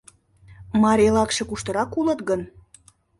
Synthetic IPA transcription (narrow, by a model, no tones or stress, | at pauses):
mɑɾʲelɑkʃe̽kuʃt̪əɾɑkulət̪ɣən